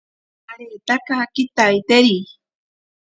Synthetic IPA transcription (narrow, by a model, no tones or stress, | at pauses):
aɾet̪akakit̪ajt̪eɾi